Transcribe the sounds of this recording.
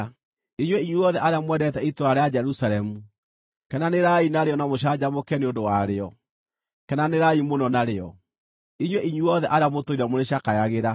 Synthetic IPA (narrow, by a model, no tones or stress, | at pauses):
iɲwɛiɲuɔðɛʔaɾeamwɛdɛtɛitoɾaɾead͡ʒɛɾusalɛmu | kɛnaneɾainaɾeɔnamoɕ̬ad͡ʑamokɛneondowaɾeɔ | kɛnaneɾaimonɔnaɾeɔ | iɲwɛʔiɲwuɔðɛʔaɾeamotoiɾamoɾeɕakajaɣeɾa